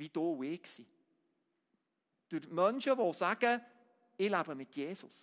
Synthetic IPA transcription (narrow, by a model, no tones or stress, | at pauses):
vid̥oːwɪksi | d̥yɾmœnʃəvosæɡ̥ə | ɪlæbəmɪt̪jeːsʊs